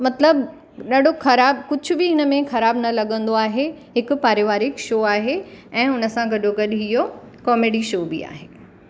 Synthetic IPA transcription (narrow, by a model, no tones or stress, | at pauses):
mɐt̪ləb | ɗɐɗoxɐɾaːbkʊd͡ʑʱʊbɪɦɪnə̆mẽxɐɾaːbnɐlɐɠə̃nd̪oaːɦeɦɪkʊ̆paːɾeːʋaːɾɪkʃoːaːɦeɛ̃ːʊnə̆sãɡɐɗoɡɐɗɦijo | kɔːmeːɖiʃoːbɪa̰ːɦeː